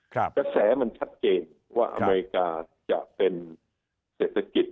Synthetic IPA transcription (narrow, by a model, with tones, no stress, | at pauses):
kaː˧sɛː˩˦ma˧nt͡ɕʰa˦˥t̪̚t͡ɕeː˧n | waː˥˩ʔa̰˧meː˧ɾi˧˥kaː˧ | t͡ɕa˨˩ʔpe˧n | seː˨˩t̪ʰːa˧ki˨˩t̪̚